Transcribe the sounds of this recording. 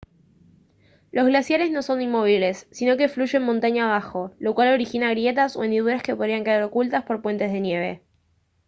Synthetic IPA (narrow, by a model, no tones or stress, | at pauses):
lo̞zɣlasjaɾe̞zno̞so̞nimːo̞β̞ile̞sːino̞ke̞fluʒe̞mːõnt̪aɲaːβ̞axo̞lo̞kwalo̞ɾixinaɣɾje̞t̪aso̞end̪iðuɾaskepo̞ðɾiaŋkeðaɾo̞kult̪aspo̞ɾpwe̞nt̪e̞zðe̞nje̞β̞e̞̰